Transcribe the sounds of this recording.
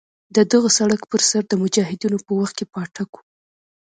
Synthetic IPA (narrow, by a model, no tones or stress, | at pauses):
d̪əd̪aɣasaɽakpəɾsaɾd̪əmʊd͡ʒɑɦɪd̪inopəwaxt̪̚kepɑʈaku̥